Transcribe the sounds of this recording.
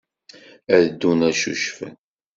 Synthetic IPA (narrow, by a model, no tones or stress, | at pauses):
æðəd̪ːunæʃṵʃfə̰n